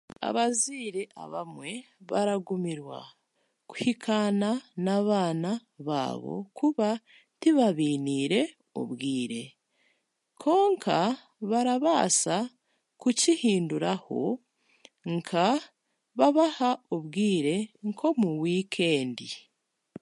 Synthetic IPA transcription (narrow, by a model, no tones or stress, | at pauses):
a̰βaziːɾeʔa̰βamwe̞ | βaɾaɡumiɾwa̰ | ku̥hikʰananaβaːnaβa̰ːβo̞̰kʰuβa | tiβaβiːniːɾe̞ | o̰βɡiːɾe̞ | kʰo̞ːŋkʰa | βaɾaβaːsa | kucihiːnduɾaho̞̰ | ŋkʰa | βaβahaoβɡiːɾe̞ŋkʰo̞muwiːkʰe̞ːndi